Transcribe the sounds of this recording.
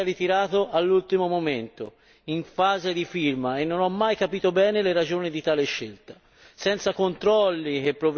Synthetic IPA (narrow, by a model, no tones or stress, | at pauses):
ɾit̪iɾaːt̪oʔalːult̪imomoment̪o | iɱfaːzed̪ifirmaenːonɔmːajkapiːt̪obɛːneleɾad͡ʒoːnid̪it̪aːleʃːelt̪ḁ | sɛnt̪sakont̪ɾɔlːik̟epːɾov